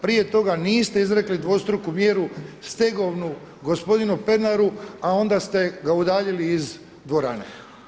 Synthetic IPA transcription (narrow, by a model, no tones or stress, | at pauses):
pɾije̞t̪o̞ɡaniːst̪e̞izɾe̞klid̪ʋo̞st̪ɾukumje̞ːɾust̪e̞ɡoʋnu | ɡo̞spo̞d̪inupe̞d̪naɾuao̞nd̪ast̪e̞ɡaud̪aːʎiliːz | d̪ʋo̞ɾa̰nḛ